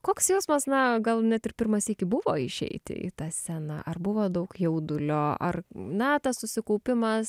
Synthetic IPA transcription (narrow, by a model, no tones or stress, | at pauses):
koːksjɛʊsmɐsnɐɡɐlˠnʲɛt̪ɪrpʲɪrmɐsiːkʲɪbʊʋoːɪʃʲɛ̰ɪt̪ʲɪ̰ɪ̰t̪ɑːsʲænɑ̰ʔɐrbʊʋoːd̪ɐʊkjɛʊd̪ʊlʲoːɐ̰rnɐt̪ɐssʊsʲɪkɐʊpʲɪmɐs